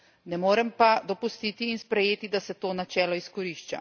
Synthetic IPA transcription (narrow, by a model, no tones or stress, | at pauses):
nɛmoːɾɛmpad̪ɔpust̪iːt̪iːnspɾɛjeːt̪id̪asɛt̪oːnat͡ʃɛːlɔiskɔɾiʃt͡ʃa̰